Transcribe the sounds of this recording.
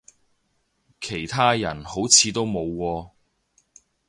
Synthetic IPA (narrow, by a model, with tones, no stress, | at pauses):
kʰe˨˩jt̪ʰaː˥jɐ˨˩nho˨˥wt͡sʰiː˨˧t̪o˥wmo˨˧wkɔː˧